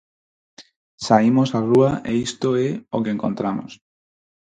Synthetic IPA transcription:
saimosaruaʔeist̪oeokeŋkõ̰nt̪ɾamo̰s

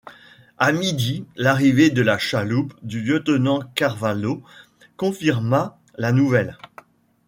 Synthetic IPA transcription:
amid̪ilaʁived̪əlaʃalupd̪yljət̪nɑ̃kaʁvalo | kɔ̃fiʁma | lanuvɛl

